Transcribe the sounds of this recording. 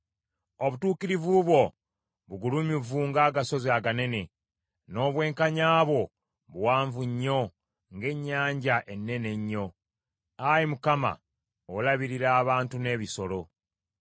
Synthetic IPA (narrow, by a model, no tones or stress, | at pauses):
oβutuːkiɾivuβwo̞ | βuɡulumivuːŋɡaːɡaso̞zaɡane̞ne̞ | no̞ːβwe̞ːŋkaɲaːβo̞ | βuwaːɱvuɲːo̞ | ŋɡe̞ɲːaːɲɟaʔe̞nːe̞ne̞ɲːo̞ | ajimukama̰ | olaβiɾiɾaːβaːntune̞ːβiso̞lo̞